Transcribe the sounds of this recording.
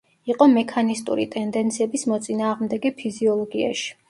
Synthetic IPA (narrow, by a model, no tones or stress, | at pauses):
iqʼɔmɛkʰanist̪ʼṵɾḭt̪ʼɛnd̪ɛnt̪sʰiɛbismɔt̪sʼinaːʁmd̪ɛɡɛpʰiziɔlˠɔɡia̰ʃi̥